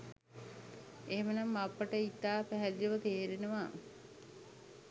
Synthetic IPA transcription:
eɦemənamːapːəʈəit̪ːaːpæɦælijʋət̪eːɾenəʋaː

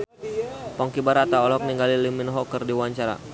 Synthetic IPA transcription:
pɔŋkibaɾat̪aɔlɔk̚niŋɡaliliminɦɔkərdiwaɲt͡ʃaɾa̰

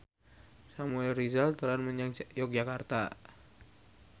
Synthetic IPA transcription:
samuɛlrizalt̪uɾanməɲaŋjɔk̚d͡ʒakart̪a

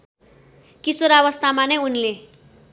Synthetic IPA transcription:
kisuɾawʌst̪amanʌjunle

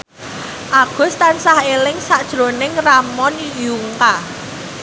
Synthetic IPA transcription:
ʔaɡ̥ʊ̤st̪ansahelɪŋsaʔd̥ʒ̥ɾonɪŋramɔnjuŋka

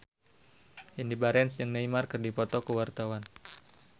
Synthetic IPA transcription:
ʔindibaɾɛnsjɨŋnaimarkərdipɔt̪ɔkəwart̪awan

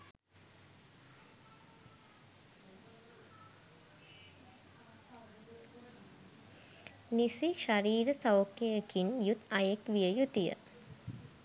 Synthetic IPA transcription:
nisiʃaɾiːɾəsɐwkːejekinjut̪ajekʋijəjut̪ijə̰

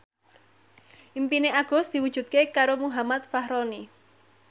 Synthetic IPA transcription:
ʔimpineʔaɡ̥ɔ̤sd̪̥i̤wud̥ʒ̥ṳd̪̚kekaɾomuɦamat̪̚fahɾɔni

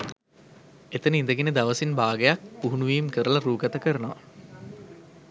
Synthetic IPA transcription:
et̪ənəind̪əɡened̪aʋəsinbaːɡəjak̚puɦunuʋiːmkəɾəlɐɾuːɡɐt̪ɐkəɾənoʋɐ

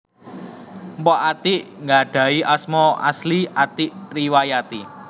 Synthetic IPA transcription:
mpɔʔat̪iʔŋɡaɖ̪̥ä̤iʔasmɔa̰sliʔat̪iʔriwajat̪i

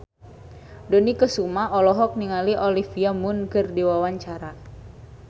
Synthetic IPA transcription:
dɔnikəsumaɔlɔɦɔk̚niŋaliʔɔlifiamunkɨrdiwawaɲt͡ʃaɾa

